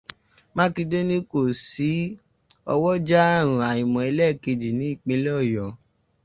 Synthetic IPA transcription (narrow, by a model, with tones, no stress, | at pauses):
mã˦ki˧de˦nĩ˦ko˦˨si˨˦ | ɔ˧wɔ˦d͡ʒa˦˨ɾ̃ũ˨a˨ĩ˨mɔ̃˨e˧lɛ˦˨ke˧d͡ʒi˨nĩ˨˦i˦˨k͡pẽ˧˦lɛ˦ɔ˦˨jɔ˨˦